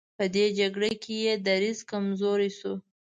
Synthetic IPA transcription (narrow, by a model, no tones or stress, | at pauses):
pəd̪ed͡ʒaɡɽekʰejed̪aɾizkamzoɾisu